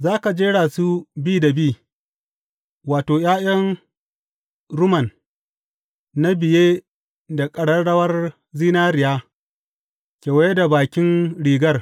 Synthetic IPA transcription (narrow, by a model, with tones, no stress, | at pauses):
zaː˦ka˨d͡ʒeː˦ɽaː˨su˦biː˦da˨biː˦˨ | waː˨toː˨jaː˦j̰ɐ˦n | ɾʊ˦mɐ˨n | a˦bɪ˨jeː˦ | da˨kʼɐ˨ɽɐ˦ɽɐ˦wɐ˦r | ziː˦naː˦ɾɪ˨jaː˦ | kʲeː˨wɐ˦je˦da˨baː˨kʲɪ˦nɽiː˨ɡɐ˦r